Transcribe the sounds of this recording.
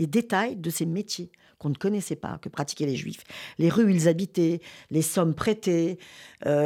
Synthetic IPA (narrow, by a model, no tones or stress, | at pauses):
led̪et̪ajd̪əsemet̪je | kɔ̃nəkɔnɛsɛpa̰kəpχat̪i̥kʲɛleʒɥḭfleʁyilzabit̪ɛlesɔmpχet̪eø